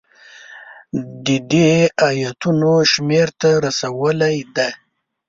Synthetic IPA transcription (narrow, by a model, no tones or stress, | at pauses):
d̪əd̪eajat̪unoʃmeɾt̪aɾasawəlajd̪a